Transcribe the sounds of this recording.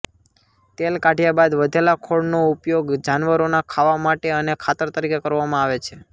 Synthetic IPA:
t̪elkaʈijabad̪ʋəd̪ʱelakʰoɽnoupjoɡd͡ʒanʋəɾonakʰaʋamaʈeənekʰat̪əɾt̪əɾikekəɾʋamãaʋet͡ʃʰe̥

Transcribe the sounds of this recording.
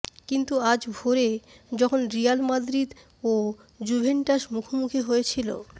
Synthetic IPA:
kint̪uad͡ʑbʱoɾe | d͡ʑɔkʰonɾijalmad̪ɾid̪ | o | d͡ʑubʱeɳʈaʃmukʰomukʰiɦojet͡ɕʰilo̰

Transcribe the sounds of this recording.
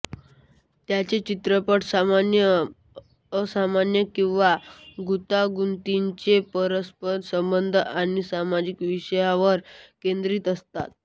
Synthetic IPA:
t̪jat͡ɕet͡ɕit̪ɾəpəʈsamanjəː | samanjəkĩw̃ʋaɡut̪aɡunt̪iɲt͡ɕepəɾəspənsəmbənd̪ʱañisamad͡ʑikʋiɕəjaʋəɾkend̪ɾiːt̪əst̪a̰t̪̚

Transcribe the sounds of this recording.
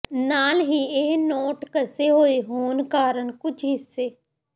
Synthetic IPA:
naːlɦiːeːnoːʈkəseɦoːiɦoːnkaːɾəɳkʊt͡ʃʰɦɪsːeː

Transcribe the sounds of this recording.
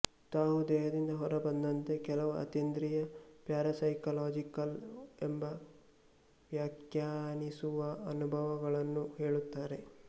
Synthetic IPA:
t̪aːɦud̪ɛːɦɐd̪ind̪ɐɦɔɾɐbɐnd̪ɐnt̪e̞kɛlɐʋuɐ̰t̪ind̪ɾijɐpjaːɾɐsɐjkɐlaːd͡ʒikɐlembɐ | ʋjaːkjaːnisuʋɐɐnubʱɐʋɐɡɐɭɐnːuheːɭut̪ːaːɾe̞

